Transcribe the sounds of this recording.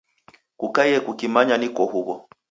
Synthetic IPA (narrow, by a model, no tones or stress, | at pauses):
kukajɛkukimaɲanikɔɦuβɔ